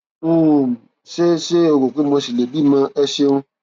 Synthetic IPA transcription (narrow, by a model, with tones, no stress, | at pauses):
ũ˦˨ | ʃe˦ʃe˦o˧˨ɡo˨ke˨˦mõ˧si˨le˨bi˦˨mã˧ɛ˧ʃe˧ũ˧˦